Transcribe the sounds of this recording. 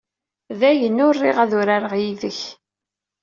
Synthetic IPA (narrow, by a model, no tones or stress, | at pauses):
ðæjənːʊrːiʁæðʊɾaɾəʁjiðəç